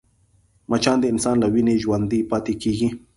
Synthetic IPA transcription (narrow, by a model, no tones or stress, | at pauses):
mat͡ʃand̪iʔɪnsanlawineʒwand̪ipat̪ikiɡi